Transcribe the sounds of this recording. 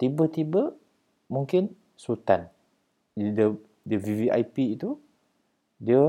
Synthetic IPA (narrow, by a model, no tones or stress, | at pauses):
t̪ibət̪ibə | mũŋkɪn | sut̪an | də | dəviviʔa̰jpiit̪u | diə